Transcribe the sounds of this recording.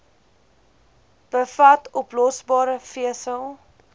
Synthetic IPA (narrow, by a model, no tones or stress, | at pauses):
b̥əfɐtɔplɔsbɑːɾəfiəsəlˠ